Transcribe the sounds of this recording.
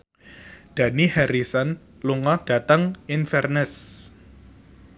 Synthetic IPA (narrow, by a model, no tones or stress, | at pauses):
d̥a̤nihɛɾisɔn | luŋɔɖ̥a̤t̪əŋinfɛrnɪs